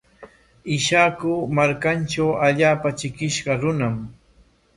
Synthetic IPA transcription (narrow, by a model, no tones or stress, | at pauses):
ɪʃakʊmaɾkanʈ͡ʂawaʎaːpat͡ʃɪkɪʃɢɑɾʊnam